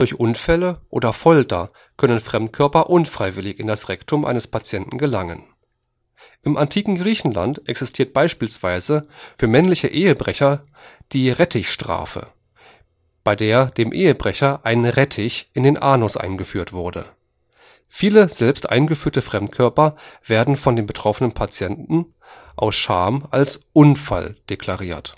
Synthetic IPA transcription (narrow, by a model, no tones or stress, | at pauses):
d̥ɔɐçʔʊnfɛləʔo̰ːdɐfɔltɐ̰ | kʰœnənfʁ̥ɛmtkʰœɐpɐʔʊnfʁ̥aɪvɪlɪçɪndasʁɛktʰʊmʔa̰ɪnəspʰat͡sjɛntn̩ɡəlaŋən | ʔɪmʔantʰiːkŋ̩ɡʁiːçn̩la̰ntʔɛksɪstʰiːɐt̚b̥aɪʃpiːlsv̥aɪzəfyːɐmɛnlɪçəʔeːəbʁɛçɐ | d̥iːʁɛtʰɪçʃtʁ̥a̰ːfə̰ | b̥aɪdeːɐdeːmʔeːəbʁɛçɐʔaɪnənʁɛtʰɪçʔɪndeːnʔaːnɔsʔa̰ɪnɡəfyːɐtv̥ʊɐdə̰ | fiːləz̥ɛlpstʔa̰ɪnɡəfyːɐtəfʁ̥ɛmtkʰœɐpɐveːɐdn̩fɔndeːnbətʁ̥ɔfənənpʰat͡sjɛntn̩ | ʔa̰ʊsʃa̰ːmʔalsʔʊnfa̰ld̥ekʰl̥aʁiːɐt